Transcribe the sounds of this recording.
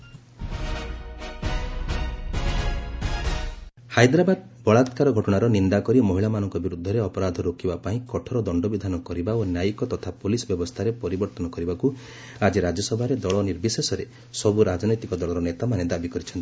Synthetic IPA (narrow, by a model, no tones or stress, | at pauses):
hajd̪ɾabad̪ | bɔɭat̪kaɾɔɡʱɔʈɔɽ̃aɾɔnind̪akɔɾimɔɦiɭamanɔŋkɔbiɾud̪ʱːɔɾeɔpɔɾad̪ʱɔɾokibapaĩkɔʈʰɔɾɔd̪ɔɳɖɔbid̪ʱanɔkɔɾibaonjajikɔt̪ɔt̪ʰapolisɔbjɔbɔst̪ʰaɾepɔɾibɔɾt̪ɔnɔkɔɾibaku | ad͡ʒiɾad͡ʒɔsɔbʱaɾed̪ɔɭɔniɾbisesɔɾe | sɔbuɾad͡ʒɔnɔjt̪ikɔd̪ɔɭɔɾɔnet̪amaned̪abikɔɾit͡ʃʰɔnt̪i̥